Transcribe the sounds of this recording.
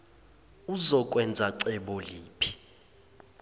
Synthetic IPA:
uzɔk̬ʼwɛnd͡zʱaǀɛɓɔliːpʰi̥

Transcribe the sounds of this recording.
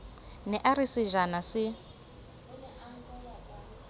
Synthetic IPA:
nɛʔaɾisiʒanasɪ

